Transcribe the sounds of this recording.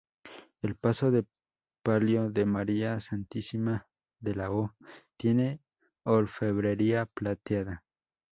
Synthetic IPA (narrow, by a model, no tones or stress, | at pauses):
e̞lpaso̞ðe̞ | paljoðe̞maɾiasant̪isima | ðelaot̪je̞ne̞ | olfeβɾeɾiaplat̪jaða